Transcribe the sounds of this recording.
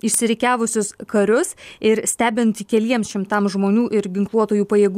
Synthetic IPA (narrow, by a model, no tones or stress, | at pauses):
ɪʃʲsʲɪɾʲɪkʲæːʋʊsʲʊskɐɾʲʊsɪɾsʲt̪ʲæːbʲɪnt̪ʲɪkʲɛlʲiɛmsʃʲɪmt̪ɐmʒmoːnʲuːʔɪɾɡʲɪŋklˠuɔt̪oːjuːpɐjeːɡ